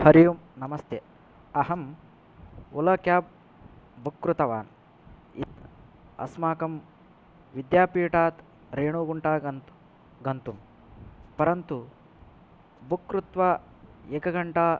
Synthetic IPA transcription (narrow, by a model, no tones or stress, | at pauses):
hɐɾijumnɐmɐst̪ʰje | ɐɦɐm | ulɐkjaːb̚ | bukɾut̪ɐʋaːn | it̪ | ɐ̰smaːkɐm | ʋid̪jaːpiːʈaːt̪ | ɾeːɳuːɡuɳʈaːɐn | ɡɐnt̪um | pɐɾɐnt̪u | bukɾut̪ʋaː | ekɐɡɐɳʈaː